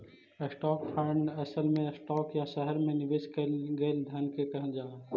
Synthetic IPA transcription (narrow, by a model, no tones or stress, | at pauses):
sʈɔːkpʰəɳɖɐsəlmẽsʈɔːkjaʃɛɦəɾmẽnɪʋeːʃkɐɡeld̪ʱɐnkekɐ̃ɦd͡ʒaː